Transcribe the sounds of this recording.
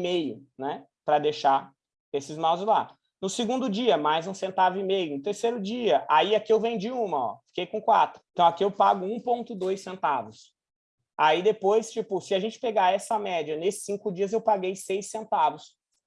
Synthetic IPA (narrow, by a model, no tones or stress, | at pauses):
mejʊnɛ | pɾɐd̪ejʃa | esɪzmawzzla | nʊsɪɡũnd̪ʊd͡ʒiɐmajzũsẽnt̪avʊimejʊnʊt̪eɾseɾʊd͡ʒiɐʔaiakiewvẽd͡ʒiũmɐɔ̰fi̥kejkõkwa̰t̪ɾʊ̥̃t̪ɐ̃w̃akiewpa̰ɡʊũpõnt̪ʊd̪ojssẽnt̪avʊs | aid̪epojst͡ʃipʊsɪaʒẽnt͡ʃɪ̥peɡaɛsɐmɛd͡ʒiɐnesɪ̥sĩŋkʊd͡ʒiɐzewpaɡejsejsːẽnt̪avʊs